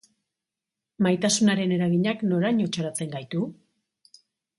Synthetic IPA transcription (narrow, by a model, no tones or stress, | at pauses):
majt̪asunaɾe̞ne̞ɾaɣiɲakno̞ɾaɲo̞t͡ʃaɾat͡se̞ŋɡajt̪u